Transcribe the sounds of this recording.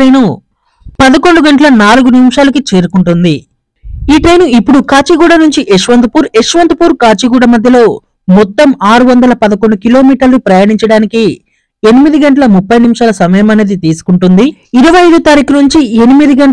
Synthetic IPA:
ɐjnu | pɐd̪ɐkoɳɖuɡɐɳʈɐlɐnaːluɡunimʂaːlɐkit͡ʃe̞ːɾukuɳʈund̪i | iːʈɐjnuipːuɽukaːt͡ʃiɡuːɽɐnuɲt͡ʃiʔeʃʋɐnt̪ɐpuːɾeʂʋɐnt̪ɐpuːɾkaːt͡ʃiɡuːɽɐmɐd̪ʱjɐlo̞ː | mɔt̪ːɐmaːɾuʋɐnd̪ɐlɐpɐd̪ɐkoɳɖukilo̞ːmiːʈɐɾlupɾɐjaːniɲt͡ʃɐɽaːniki | e̞nimid̪iɡɐɳʈɐlɐmupːɐjnimʂaːlɐsɐmɐjɐmɐneːd̪it̪iːsu̥kuɳʈund̪iiɾɐʋɐɐjd̪ut̪aːɾiːkunuɲt͡ʃie̞nimid̪iɡɐɳ

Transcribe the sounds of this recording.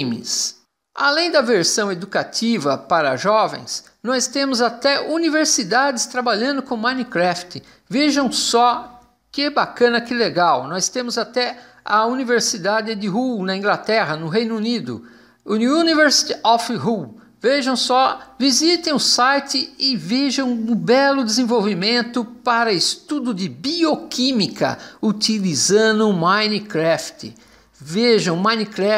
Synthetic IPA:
mɪ̰s | alẽj̃d̪ɐveɾsɐ̃w̃ed̪ukat̪ivɐpaɾɐʒɔvḛ̃j̃s | nɔst̪ẽmʊzat̪ɛuniveɾsid̪ad̪ɪst̪ɾabaʎɐ̃nd̪ʊkõmɐ̃nikɾɛft̪ɪ | veʒɐ̃w̃sɔ | kɪɛbakɐ̃nɐkɪleɡawnɔst̪ẽmʊzat̪ɛ | ɐ̰univeɾsid̪ad͡ʒ̪ɪd̪ɪɦunɐĩɡlat̪ɛɦɐnʊɦẽjnʊunid̪ʊ̰ | uniuniveɾsi̥t̪ɔfɦu | veʒɐ̃w̃sɔvizit̪ẽj̃ʊsajt̪ɪɪveʒɐ̃w̃ũbɛlʊd̪ɪzẽvowvimẽnt̪ʊpaɾɐɪst̪ud̪ʊd̪ɪbiokimikɐ̰ut̪ilizɐ̃d̪ʊmãjnikɾɛft̪ɪ̰ | veʒɐ̃w̃mãj̃nikɾɛ

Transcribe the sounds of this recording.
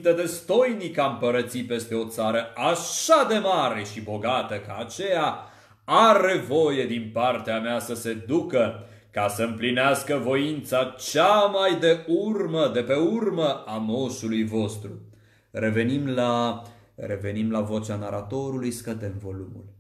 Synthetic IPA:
t̪əd̪e̞st̪o̞jnikampəɾət̪sipe̞st̪eo̞t̪saɾəaʃad̪e̞maɾe̞ʃibo̞ɡat̪əkaːt͡ʃe̞ja | aɾe̞vo̞je̞d̪inpart̪eameasəse̞d̪ukə | kasəɨmplineaskəvo̞int̪sat͡ʃamajd̪e̞urməd̪e̞pe̞urməamo̞ʃulujvo̞st̪ɾu | re̞ve̞nimla | ɾe̞ve̞nimlavo̞t͡ʃanaɾat̪o̞ɾulujskəd̪e̞mvo̞lumṵl

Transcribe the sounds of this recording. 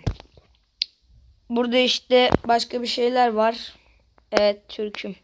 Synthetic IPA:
buɾd̪aiʃt̪ɛbaʃkʰabiʃe̞jlʲæɾvaɾ | ɛvɛt̪ːʰyɾcʰy

